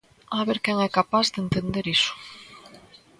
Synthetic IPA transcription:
aβeɾkɛŋɛkapazðent̪end̪eɾisʊ̥

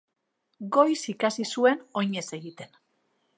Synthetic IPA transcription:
ɡo̞jsikasisue̞no̞ɲe̞se̞ɣit̪e̞n

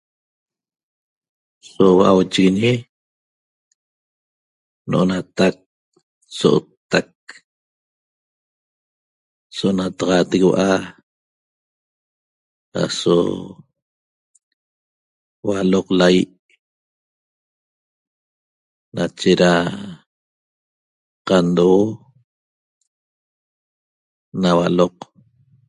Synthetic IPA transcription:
sowaʔawt͡ʃiɣiɲi | noʔonat̪ak̚ | soʔo̰t̪ːak | soʔonat̪ɑʁɑt̪ekwaʔa | ha̰so̰ | waloqlajiʔ | nat͡ʃeɾa | qand̪oo | nawaloq

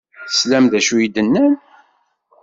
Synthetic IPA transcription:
θəslæmðæʃujid̪ənːæn

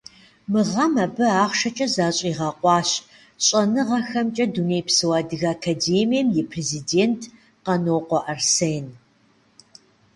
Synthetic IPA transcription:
mɨʁɐmɐbɨaːχʷʃɐt͡ʃʼɐzaːɕʼiːʁɑqʷʼɑːɕ | ɕʼɐnɨʁɐxɐmt͡ʃʼɐduneːjpsɨwaːdɨɣaːkʰaːdeːmijɐmjɛpʰrezideːntʰ | qɐnoːqʷɔʔɐrseːn

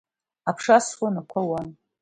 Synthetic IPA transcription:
apʰʂaswanakʷʰawan

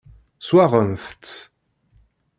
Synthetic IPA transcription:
swaʁənθt̪ː

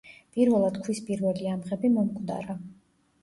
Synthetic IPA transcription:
pʼiɾvɛlˠad̪̥kʰwispʼiɾvɛliamʁɛbimɔmkʼd̪a̰ɾa

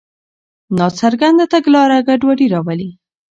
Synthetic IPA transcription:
nɑt͡saɾɡand̪at̪aɡlɑɾaɡaɖwaɽiɾɑwali

